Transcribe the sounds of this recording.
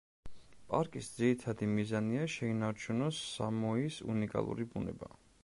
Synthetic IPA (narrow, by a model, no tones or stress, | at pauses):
pʼaɾkʼisd̪ziɾit̪ʰad̪imizaniaʃɛinaɾt͡ʃʰunɔsːa̰mɔisṵnikʼa̰lˠṵɾibunɛ̰ba̰